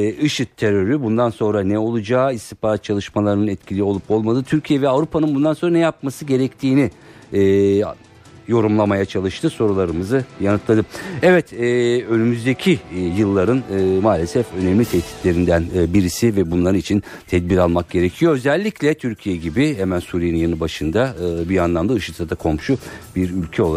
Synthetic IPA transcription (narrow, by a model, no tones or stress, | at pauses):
ɯʃɯt̪ʰːeɾø̞ɾybund̪anso̞nɾanɛo̞lˠud͡ʒaːist̪ipaːɾat̪̚t͡ʃʰalˠɯʃmalˠaɾɯnɯnɛt̪cʰilʲio̞lˠupo̞lˠmad̪ɯt̪ʰyɾcʰijɛvɛavɾupʰanɯnbund̪anso̞nɾanɛjap̚masɯɟe̞ɾɛct̪ʰiːni | ɛː | jo̞ɾumlˠamajat͡ʃʰalˠɯʃt̪ʰɯso̞ɾulˠaɾɯmɯzɯjanɯt̪lˠad̪ɯɛvɛt̪ɛːø̞nymyzd̪ecʰijɯlˠːaɾɯnɯmaːlʲesɛfø̞nɛmlʲit̪ʰɛt̪ʰi̥t̪lʲe̞ɾind̪ænːbiɾisivɛbunlˠaɾɯnit͡ʃʰin | t̪ʰɛd̪̚biɾalˠmak̚ɟ̥e̞ɾecʰijo̞øzɛlʲːiclʲɛt̪ʰyɾcʰijɛɟibiɦɛmænsuːɾijeninjanɯbaʃɯnd̪aɯːbianlˠamd̪aɯʃɯt̪sad̪akʰo̞mʃubiɾylʲcʰɛo̞lˠa